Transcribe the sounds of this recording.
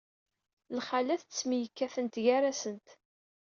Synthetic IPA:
lχalæθt͡sːmijəkːæθənt̪ʝæɾæsənt̪

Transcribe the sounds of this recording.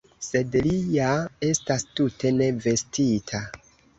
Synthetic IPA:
se̞dlijae̞stastutʰe̞ne̞ve̞stitʰa

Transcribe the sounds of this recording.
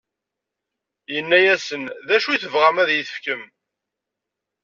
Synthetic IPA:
jənːæjæsənðæʃuθəvʁæmæðjiθə̥fkəm

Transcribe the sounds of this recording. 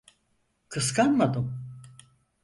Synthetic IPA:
kʰɯskanmad̪ɯm

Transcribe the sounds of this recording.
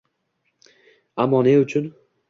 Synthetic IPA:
amːɒneʊt͡ʃʰʊn

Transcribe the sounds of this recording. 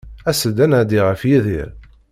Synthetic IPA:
æsəd̪ænəʕd̪iʁəfjiðḭɾ

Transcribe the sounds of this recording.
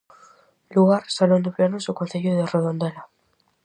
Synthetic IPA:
luɣaɾsalond̪eplanosokonθeʎoðereðo̞nd̪e̞la

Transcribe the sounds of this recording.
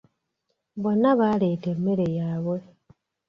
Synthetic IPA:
βo̞naβaletemːeɾejaːβwe

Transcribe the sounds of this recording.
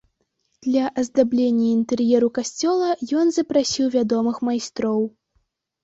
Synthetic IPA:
d̪̥lʲɐʔɐzd̪ablʲenʲːɐint̪ɛrjɛɾukasʲt͡sʲɔlˠɐjɔnzɐpɾasʲiwvʲad̪ɔmɨxmajst̪ɾɔw

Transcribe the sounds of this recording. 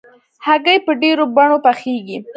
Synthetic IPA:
haɡəjpəɖeɾobaɳopaxeɡi

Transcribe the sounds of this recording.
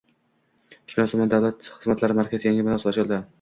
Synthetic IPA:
ʊʃɪnasʰʊmand̪avlat̪χɨzmat̪ʰlaɾɪmaɾkʲazjaŋʲɪmɪnɒsɒt͡ʃʰɪlˠd̪ɪ

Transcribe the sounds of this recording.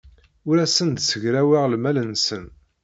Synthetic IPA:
ʊɾæsənd̪səʝɾæwaʁlmælənsən

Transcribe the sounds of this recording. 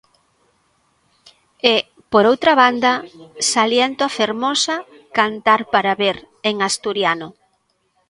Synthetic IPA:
e | poɾowt̪ɾɐβand̪ɐsaljent̪oafeɾmɔsɐ | kant̪aɾpaɾaβeɾ | eŋast̪uɾjanʊ

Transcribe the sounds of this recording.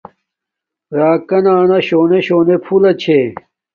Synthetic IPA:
ɾaːkɐnaːnɐɕoːneɕoːnepʰulɐt͡ɕʰe

